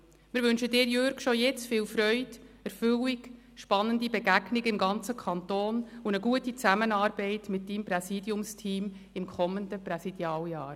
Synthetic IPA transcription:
mɪːɾʋʏnʃədɪːɾjøɾɡʃojɛt͡sfiːlfɾœʏdɛɾfʏliɡ | ʃpɑnːəndibɛɡæɡnɪɡɪmɡɑnt͡səkʰɑntoːnunəɡuətit͡sæmənɑːɾbɛɪtmɪt̚d̥iːmpɾɛsiːdjʊmstʰiːm | ɪmkʰɔmːəndəpɾɛsid̥jɑːljɑːɾ

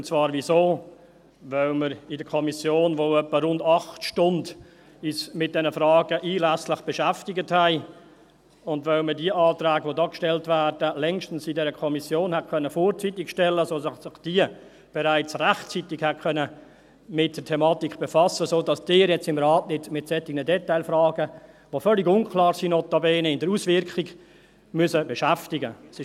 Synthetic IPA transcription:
ʊnt͡svɑːɾvisoː | vœlməɾɪdəkʰɔmisjoːnʋoːœpːəɾʊndɑχtʃtʊnd | ismɪt̚d̥ɛnəfrɑːɡəʔiːlæslɪχb̥eʃæftɪɡəthæɪ | ʊndvœlmədiəʔɑːtræːɡʋodɑːkʃtɛltvæːɾd̥əlɛŋʃtn̩sɪdɛɾəkʰɔmisjoːnhɛt̚kʰœnəfoːɾt͡sitɪkʃtɛlːəsoːsɪsɪχd̥iə | b̥ɛɾaɪt͡sræχtt͡sitɪkhɛtkʰœnə | mɪt̚d̥ətʰɛmɑːtikχb̥efɑsəsoːdɑsd̥ɪːɾjɛt͡sɪmrɑːtnɪtmɪtsɛtɪɡnədɛtaɪlfrɑːɡə | ʋofœlɪɡʊnkʰlɑːɾsinɔtːɑbeːnəɪndəɾusvɪɾkʰiɡ | mʉsəbɛʃæftɪɡə̰sɪ

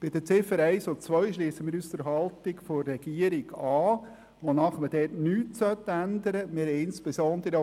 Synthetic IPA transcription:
b̥ɪd̪ət͡sɪfəɾɛɪsot͡sʋœʏʃliːsəmɪːɾyːstəɾɦɑlt̪ɪɡforːɛɡ̥iəɾɪɡɑː | ʋonɑχməd̥ɛːtnyːtsœt̪ːænd̪əɾəmɪɾhɛɪnspesɔnd̪əɾə

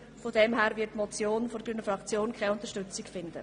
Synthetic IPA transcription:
fodɛmɦæːɾvɪtːmɔt͡sjoːnfɔɾɡynəfʁɑkt͡sjoːnkʰχɛɪʊnt̪əʃtʏt͡sɪkfɪnd̪ə̰

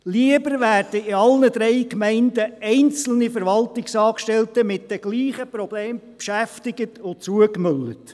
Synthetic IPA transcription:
liəbəɾʋæːrd̥əɪɑlnəd̥̪ɾɛɪkmɛɪndəɛɪnt͡sl̩nifəɾʋɑltɪksɑːkʃtɛltəmɪt̚d̥ɛɡ̥liːχəpɾɔbleːmpʃæftɪɡətʊt͡suəkmʏlːət

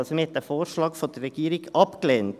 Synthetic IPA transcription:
lsɔməhɛt̪ːəfoːɾʃlɑːkfod̪ərːɛɡ̥iːɾɪɡɑpkleːnt

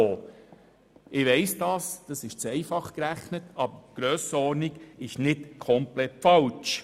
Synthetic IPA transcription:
oː | ɪʋɛɪsd̥ɑːsd̥ɑsɪʃt͡sɛɪfɑχkɾæχnətɑbəɡ̥ɾøːsəɔɾniɡ̥ɪʃnɪtkʰɔmplɛtfɑlt͡ʃ

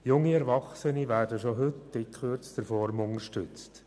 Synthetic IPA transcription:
jʊŋːiɛɾʋɑχsəniʋæːrdəʃoɦɵtdɪkʰχørt͡sd̥əɾfɔɾmʊŋəɾʃtʏt͡st

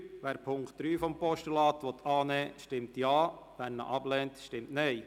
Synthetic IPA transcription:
ʋæːɾpʰʊŋktd̥̪ɾyːfɔmpɔʃtəlɑːt̪ʋɔt̪ʰɑːnɛːʃtɪmt̪jɑː | ʋæɾnə̰ʔɑblɛːntʃtɪmtnɛɪ

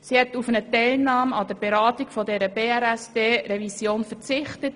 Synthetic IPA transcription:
sihɛtufənətaɪlnɑːmɑd̥əɾb̥eɾɑːtiɡ̥fɔdɛɾəb̥eːɛɾɛsd̥eːɾɛvisjoːnfəɾt͡sɪχtət

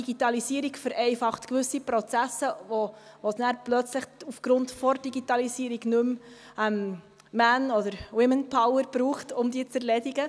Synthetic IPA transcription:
iɡitɑlisiəɾikfəɾʔɛɪfɑχtkʋʏsipɾɔt͡sæsəʋo | vosnæːɾplœt͡sləχufɡ̥ɾʊndfɔrd̥iɡitɑlisiəɾiɡnʉm | ɛm | mænɔd̪əɾwɪmənpʰɑwəɾb̥ɾuːχtʊmdiːət͡sɛɾlɛdiɡə

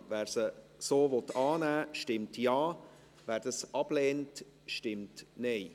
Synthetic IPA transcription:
vɛːɾsə | soːvɔtːɑːnæːʃtɪmtjɑː | væːɾd̥ɑsʔɑb̥leːnt | ʃtɪmtneɪ

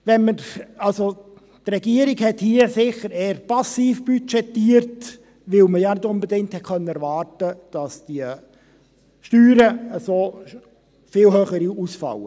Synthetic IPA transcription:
ʋɛnməɾɑlso | trɛɡiəɾiɡhɛthiəsɪχəɾeːəɾpɑsiːfb̥yt͡ʃɛtːiːəɾt | ʋɪlməjɑnɪdʊnbɛdɪŋ̚thɛt̚kʰœnːəɛɾvɑːrtəd̥ɑsd̥iə | ʃtyːɾəəsoː | fɪːlhøːχəɾiusfɑ̰lə

